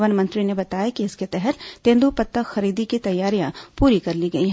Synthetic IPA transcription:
ʋənmɐ̃nt̪ɾinebɐt̪aːjakiɪsket̪ɛɦɛt̪t̪ẽːnd̪upɐt̪ːəxɐɾiːd̪ikit̪ɐjːaːɾijãpuːɾikɐɾliɡɐiɦ

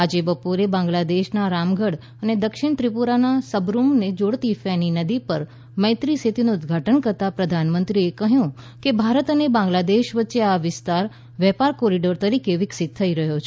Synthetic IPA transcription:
ad͡ʒebəpoɾebãŋɡlad̪eʃnaɾamɡʱəɽ | əned̪əkʃɪɳt̪ɾipuɾanasəbɾumned͡ʒoɽt̪ifɛninəd̪ipəɾ | mə̃ɪ̃t̪ɾisʰet̪inuʊd̪ɡʱaʈənkəɾt̪apɾəd̪ʱanmənt̪ɾiekəɦjũ | kebʱaɾət̪ənebãŋɡlad̪eʃʋətːʃeaʋɪst̪aɾ | ʋɛpaɾkoɾiɖəɾt̪əɾikeʋɪksɪt̪̚ʰːəiɾəɦjot͡ʃʰe

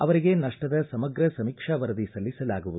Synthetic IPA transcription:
ɐʋɐɾiɡe̞nɐʂʈɐd̪ɐsɐmɐɡɾɐsɐmiːkʂɐʋɐɾɐd̪isɐlːisɐlaːɡuʋud̪uu

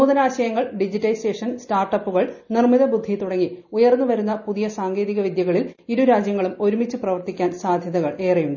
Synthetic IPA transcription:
sɐmuːðɐnaːɕɐjɐŋːɐɭɖid͡ʑitːɐjseːʂɐnstaːrʈɐpːuɣɐɭnirmiðɐbud̪ʱːit̪uɽɐŋːiujɐrnːuʋɐɾunːɐpuðijɐsaːŋɡe̞ːðiɣɐʋid̪jɐɣɐɭiliɾuɾaːd͡ʑjɐŋːɐɭumo̞ɾumit͡ɕːɨprɐʋɐrt̪ikʲːaːnsaːd̪ʱjɐðɐɣɐɭe̞ːrijuɳɖɨ

